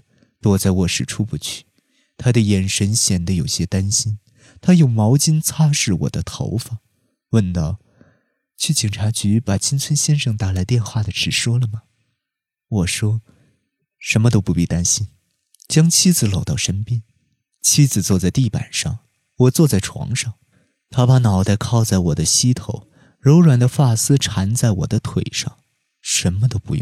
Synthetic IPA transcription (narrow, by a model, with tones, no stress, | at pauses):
t̪wɔ˥t͡sa˥˩ɪwɔ˨˩ʂɻ̩˨˩ʈ͡ʂʰu˥pu˧˩t͡ɕʰy̥˥˩ | t̪ʰa˥d̪ə˨jɛ˨˩nʂə˧˥nɕjɛ˨˩nd̪ə˦jo˨˩ʊɕjɛ˥t̪a˥nɕi˥n | t̪ʰa˥jo˥˩ʊmɑ˧˥ʊt͡ɕi˥nt͡sʰa˥ʂɻ̩˥˩wɔ̰˨˩d̪ə˦t̪ʰo̰˧˥ʊfɑ˥˩ | wə˥˩nt̪ɑ˥˩ʊ | t͡ɕʰy˥˩t͡ɕi˨˩ŋʈ͡ʂʰa˧˥t͡ɕy˧˥pa˨˩t͡ɕʰi˥nt͡sʰwə˥nɕjɛ˥nʂɤ˥˧ŋt̪a˥˩la˧˥ɪt̪jɛ˥˧nxwa˥˩d̪ə˩ʈ͡ʂʰɻ̩˥˩ʂwɔ˥lə˨mɐ˩ | wɔ˨˩ʂwɔ˥ | ʂə˧˥nmə˧t̪̬o˥ʊpu˧˥pi˥˩t̪a˥nɕi˥n | t͡ɕjɑ˥ŋt͡ɕʰi˥d͡zɹ̩˧˩lo˨˩ʊt̪ɑ˥˩ʊʂə˥npjɛ˥n | t͡ɕʰi˥d͡zɹ̩˨˩t͡swɔ˥˧t͡sa˥˧ɪt̪i˥˩pa̰˨˩nʂɑ̰˥˩ŋ | wɔ˨˩t͡swɔ˥˧t͡sa˥˩ɪʈ͡ʂʰwɑ̰˧˥ŋʂɑ˥˩ŋ | t̪ʰa˥pa˧˥nɑ˨˩ʊt̪a˥˧ɪkʰɑ˥˧ʊt͡sa˥˩ɪwɔ˨˩d̪ə˦ɕi˥t̪ʰo˧˥ʊ | ɻo˧˥ʊɻwa˨˩nd̪ə˦fa˥˩sɹ̩˥ʈ͡ʂʰa˧˥nt͡sa˥˩ɪwɔ̰˨˩d̪ə˦t̪ʰwe˨˩ɪʂɑ̰˥˩ŋ | ʂə˧˥nmə˧t̪o˥ʊpṵ˧jʊ̰˥˩ŋ